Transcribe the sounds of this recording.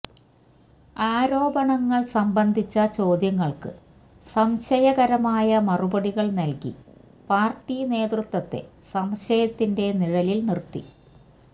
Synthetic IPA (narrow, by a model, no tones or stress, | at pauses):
aːɾo̞ːbɐɳɐŋːɐɭsɐmbɐnd̪ʱit͡ɕːɐt͡ɕo̞ːd̪jɐŋːɐɭkɨ̰ | sɐmɕɐjɐɣɐɾɐmaːjɐmɐrubɐɽiɣɐɭnɐlkḭ | paːrʈːine̞ːd̪rut̪wɐt̪ːe̞̰ | sɐmɕɐjɐt̪ːinde̞niɻɐlilnirt̪ːḭ